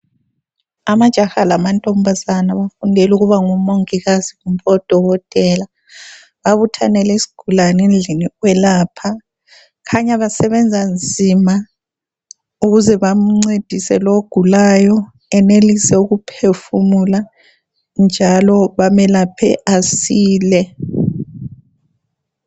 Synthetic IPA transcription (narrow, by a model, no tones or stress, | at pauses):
amad̥ʒ̥ʱaxalamantʼɔmbʱazanaβafundʱɛluɣuβaŋumoŋiɣaziɣumpʰʼɔd̥ʱɔɣɔtʼɛːla | βaβutʰanɛlɛsi̥ɡ̥ʱulanend͡ɮʱiniwɛlaːpʰa | kʰaɲaβasɛβɛnd͡zʱand͡zʱima | uɣuzɛβam̩ŋ͡ǀed̥ʱisɛ̰loɡ̥ʱulajɔ | ɛnelisɛuɣupʰefumula | nd͡ʒʱalɔβamɛlapʰɛ̰ʔasiːlɛ